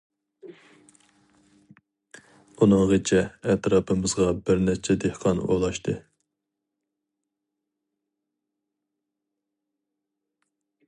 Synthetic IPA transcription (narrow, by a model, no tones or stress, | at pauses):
unɨŋʁet͡ʃʰɛːt̪ɾɑːpʰɨmɨzʁɑbɪɾnɛt͡ʃʰɛd̪ehqʰɑno̰lˠɑʃt̪ʰɨ